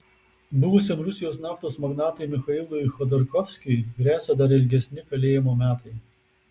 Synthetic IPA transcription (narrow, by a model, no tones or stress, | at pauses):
bʊʋʊsʲemɾʊsʲɪjoːsnɑːft̪oːsmɐɡnɑːt̪ɐɪmʲɪxɐɪlˠʊɪxɔd̪ɔɾkɔfʲsʲkʲɪjɡʲɾʲæːsʲɛd̪ɐɾɪlʲɡʲɛsʲnʲɪkɐlʲeːjɛmoːmʲæːt̪ɐɪ